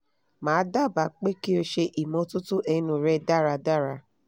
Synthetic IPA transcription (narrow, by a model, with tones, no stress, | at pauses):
mãː˨˦da˦˨ba˨˦k͡pe˦ki˦o˧ʃe˧ʔi˨mɔ̃˧tũ˦tu˦ʔɛ̃˧˨˦nũ˨ɾɛ˦da˦˨ɾa˧da˦˨ɾa˧